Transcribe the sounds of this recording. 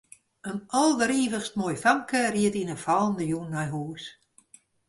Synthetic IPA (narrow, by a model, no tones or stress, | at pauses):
ənɔlˠdəɾiːvəxstmojfaŋkəriətinəfalˠndəjunːɔjɦuːs